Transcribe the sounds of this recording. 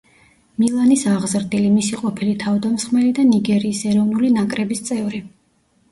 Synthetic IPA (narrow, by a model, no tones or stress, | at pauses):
milˠanisaʁzɾd̪ilimisiqʼɔpʰilit̪ʰavd̪amsχmɛlid̪aniɡɛɾiːsɛɾɔvnulinakʼɾɛbist̪sʼɛvɾi